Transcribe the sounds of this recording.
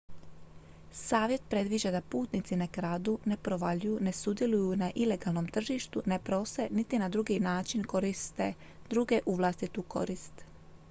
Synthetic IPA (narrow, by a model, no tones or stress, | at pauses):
saːʋje̞t̪̚pɾe̞d̪ʋid͡ʒed̪apuːt̪nit̪sinakɾaːd̪une̞pɾoʋaʎujune̞sud̪je̞lujunaʔile̞ɡalˠno̞mt̪r̩ʒiːʃt̪une̞pɾo̞senit̪inad̪ɾuɡinaːt͡ʃinko̞ɾist̪e | d̪ɾuɡeʔuʋlˠast̪it̪uko̞̰ɾist̪